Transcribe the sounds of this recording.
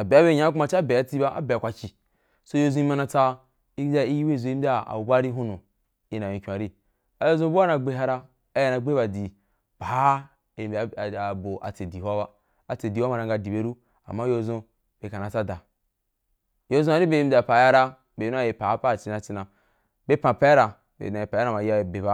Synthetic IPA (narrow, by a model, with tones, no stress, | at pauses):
a˨be˨˦a˦be˦˨ɲ˦ã˦ka˨t͡ʃa˦˨be˨a˨˦t͡si˦ba˦ʔa̰˦be˨kʷa˨ki˨ | so˦jo˦zũ˦i˦ma˦na˨t͡sa˦ | i˦a˦i˦ji˦we˦i˨zo˨˦i˦da˦˨a̰˨u˨ba˦ɾi˦ɦu˦nu˨ | i˨˦na˨jĩ˨kʲu˨a˨ɾi˦ | a˨jo˦zõ˦bu˦a˦na˨ɡ͡be˦ɦa˦ɾa˦ | a˨˦ja˨na˨ɡ͡be˦ba˨di˨ | b̥a˨˦˨ | ba˨bo˨ʔa̰˨t͡se˨di˨wa˦ba˦ | a˨t͡se˨di˨wa˦ma˨ɾa˨ŋ˦ɡa˨di˨be˦ɾu˦ | a̰˨mːa˦jo˦˧zõ˦ | b̥e˨ka˨na˨t͡sa˦da˨ | jo˦zõ˦a˨˦ɾi˦be˦i˦m˦dʲi˦a˨pa˨ja˦ɾa˦ | be˨˦nu˦a˦˨e˨pa˨˦pa˦˨t͡ʃi˦na˨t͡si˦na˨ | be˦pã˨pa˦a˦ɾa˨ | bḛ˨na˨i˨pa˨ja˦na˨ma˨ji˦a˦˨be˨ba˦